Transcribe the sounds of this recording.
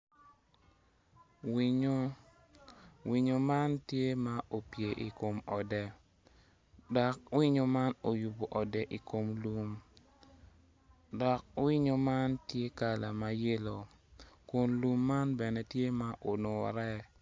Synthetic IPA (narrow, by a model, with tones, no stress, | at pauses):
wi˦ɲo˦ | wi˨ɲo˨ma˦ntje˦ma˦ʔo˨pje˨ʔi˨ko˨mɔ˨dɛ˨ | dɔ˨k̚wi˦ɲo˨ma˦no˨ju˨bo˨ʔɔ˨dɛ˨ʔi˨ko˨mlu˦m | dɔ˨k̚wi˦ɲo˨ma˦ntje˦ka˨la˨ma˨je˦lo˨ | ko˨nlu˦mːa˦nbɛ˨nɛ˦tje˦ma˦ʔo˨no˨ɾɛ˦